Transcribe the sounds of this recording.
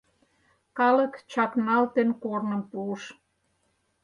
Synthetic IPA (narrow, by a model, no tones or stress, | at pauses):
kɑlə̆kt͡ɕɑknɑlt̪enkornəmpuəʃ